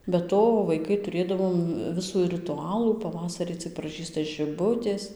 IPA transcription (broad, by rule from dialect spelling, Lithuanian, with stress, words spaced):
bʲɛ ˈtoː ʋɐɪˈkɐɪ tʊˈrʲeːdɐʋoːm ˈʋʲɪsuː rʲɪˈtʊɐlˠuː pɐˈʋɑːsɐrʲiː t͡sɨk prɐˈʒʲiːstɐ ʒʲɪˈbʊtʲeːs